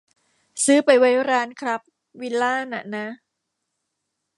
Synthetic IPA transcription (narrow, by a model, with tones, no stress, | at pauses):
sɯː˦˥pa˨˩jwa˦˥jɾaː˦˥nkʰɾa˦˥p̚ | wi˧˥laː˥˩na̰˨˩na˦˥